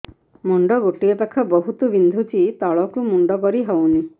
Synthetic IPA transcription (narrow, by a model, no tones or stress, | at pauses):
mɔɳɖɔɡoʈiɔpakʰɔbɔɦut̪ɔbind̪ʱut͡ʃit̪ɔɭɔkumuɳɖɔkɔɾiɦɔwni